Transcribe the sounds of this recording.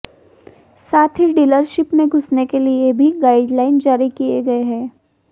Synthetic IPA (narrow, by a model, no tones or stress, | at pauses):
saːt̪ʰɦiɖiːləɾʃɪpmẽɡʱʊsnekeliebʱiɡaːɪɖlaːɪnd͡ʒaːɾikieɡɐeɦɛ̃ː